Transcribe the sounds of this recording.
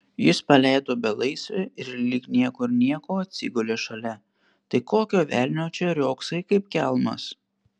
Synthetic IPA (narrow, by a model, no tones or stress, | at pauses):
jɪspɐlʲæˑɪd̪oːbʲɛlˠɐɪsʲʋʲɛɪɾlʲiːknʲiɛkʊɪɾnʲiɛkoːɐt̪ʲsʲɪ̰ɡʊlʲeːʃɐlʲɛ | t̪ɐɪkoːkʲoːʋʲæːˑlʲnʲoːt͡ʃʲɛɾʲoːksɐɪkɐɪp̚kʲɛlˠmɐ̰s